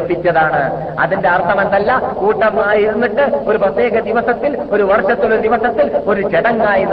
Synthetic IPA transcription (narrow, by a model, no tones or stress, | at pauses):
pːit͡ɕːɐðaːɳɨ̰ | ɐ̰ðindeɐrt̪ʰɐmɐnd̪ɐlːakuːʈːɐmːaːjiɾunːiʈːɨo̞ɾuprɐt̪ːe̞ːɣɐd̪iʋɐsɐt̪ːilo̞ɾuʋɐrʂɐt̪ːiloɾd̪iʋɐsɐt̪ːilo̞ɾut͡ɕeɽɐŋːaːjinː